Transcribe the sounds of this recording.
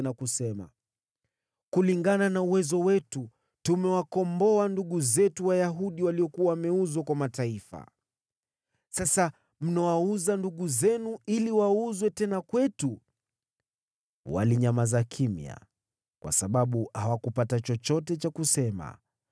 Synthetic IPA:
nakusɛma̰ | kuliŋɡananauwɛzɔwɛtu | tumɛwakɔmbɔanduɠuzɛtuwajaɦuɗiwaliɔkuwawamɛuzɔkwamataifa̰ | sasa | m̩nɔwauzanduɠuzɛnuiliwauzwɛtɛnakwɛtu | wa̰liɲamazakʰimj̰a̰ | kwa̰saɓaɓuhawakupatat͡ʃɔt͡ʃɔtɛt͡ʃakusɛma̰

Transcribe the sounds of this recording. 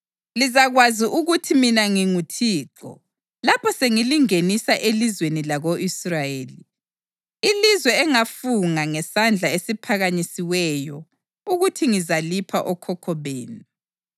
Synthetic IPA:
lizaɣwaziʔuɣutʰiminaŋiŋutʰiːǁɔ̰ | lapʰɔseŋiliŋenisaʔelizwenilaɣoʔisrajeːli | ilizwɛːŋafuŋaŋɛsand͡ɮʱaesipʰaɣaɲisiwɛjɔ | uɣutʰiŋizalipʰaʔɔkʰɔkʰɔβeːni

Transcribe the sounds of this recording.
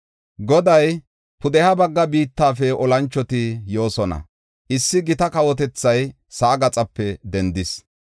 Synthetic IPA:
ɡɔd̪ɐj | pʊd̪ɛhɐbɐɡːɐbiːt̪ːaːfɛʔɔlɐnt͡ʃːɔt̪ɪjo̞ːsɔnɐ̰ | ʔɪsːɪɡɪt̪ɐkɐwɔt̪̬ɛt͡sːɐj | sɐːɡɐt͡sʼɐpːɛd̪ɛnd̪ɪs

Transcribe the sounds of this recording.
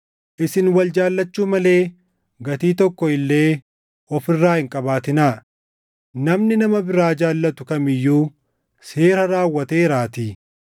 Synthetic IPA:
ʔɪsɪnwɐld͡ʒaːlːɐt͡ʃːuːmɐle̞ː | ɡɐt̪iːt̪ɔkːɔɪlːe̞ː | ʔɔfɪrːaːhɪŋkʼɐbaːt̪ɪnaː | nɐmnɪnɐmɐbɪɾaːd͡ʒaːlːɐt̪ʊkɐmɪjːuː | se̞ːɾɐɾaːwːɐt̪eːɪɾaːt̪iː

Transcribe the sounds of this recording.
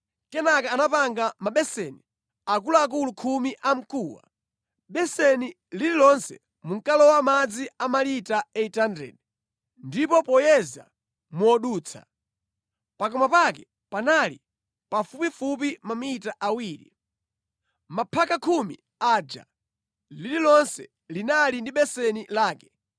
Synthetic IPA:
kɛnakaːnapaŋɡamaɓɛsɛni | ak̬uluak̬ulukʰumiʔam̩kuːwa̰ | ɓɛsɛni | lililɔnsɛ̰ | muŋkalɔwamad͡ziamalitaɛitandɛ̰d | ndipɔpɔjɛza̰ | muɔɗuːt͡sʰa̰ | pakɔmapakɛ | panalḭ | pafupifup̬imamiitaʔawiːɾḭ | mapʰakakʰumḭ | ad͡ʒa̰ | lililɔnsɛ̰ | linalindiɓɛsɛnilaːkɛ̥

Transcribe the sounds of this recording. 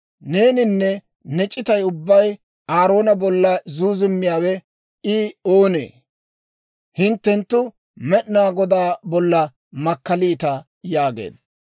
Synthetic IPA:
ne̞ːnɪnːɛ | nɛt͡ʃʼːɪt̪ɐjʊbːɐj | aːɾo̞ːnɐbɔlːɐzuːzɪmːɪjaːwɛ | ɪoːnḛː | hɪnt̪ːɛnt̪ːʊ | mɛʔnaːɡɔd̪aːbɔlːɐ | mɐkːɐliːt̪ɐ | jaːɡḛːd̪

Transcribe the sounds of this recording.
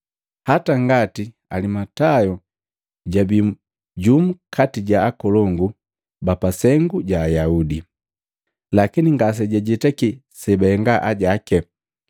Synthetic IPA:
hataŋɡati | alimatajɔ | ɟabi | ɟum̩kʰatiɟaːkɔlɔŋɡu | bapasɛŋɡuɟaːjaudi | lakiniŋɡas̬ɛɟɛɟɛtɛki | sɛbɛɛŋɡaʔaɟakɛ

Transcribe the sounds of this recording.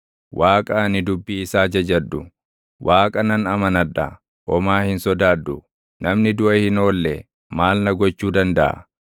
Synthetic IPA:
wʔaːkʼɐnɪd̪ʊbːiɪsaːd͡ʒɐd͡ʒɐd̪ːʊ | wʔaːkʼɐnɐnɐmɐnɐᶑɐ̰ | ʔɔmaːhɪnsɔd̪aːd̪ːʊ | nɐmnɪd̪ʊʔɐhɪno̞ːlːɛ | maːlnɐɡɔt͡ʃːuːd̪ɐnd̪ɐʔɐ̰

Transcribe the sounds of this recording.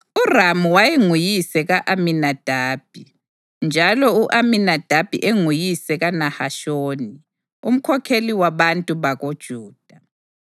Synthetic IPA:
uramuwajeŋujisɛɣaʔaminad̥ʱaːb̥ʱi | nd͡ʒʱalɔuʔaminad̥ʱab̥ʱḭʔeŋujisɛɣanahaʃoːni | ṵm̩kʰɔkʰeliwaβantʼuβaɣod̥ʒ̥ʱuːd̥ʱa

